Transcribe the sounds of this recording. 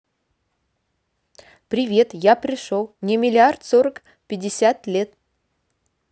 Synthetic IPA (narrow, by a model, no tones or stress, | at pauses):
pɾʲɪvʲe̞t̪japɾʲɪʂolˠnʲɪmʲɪlʲɪart̪soɾək | pʲɪdʲɪsʲat̪lʲet̪̚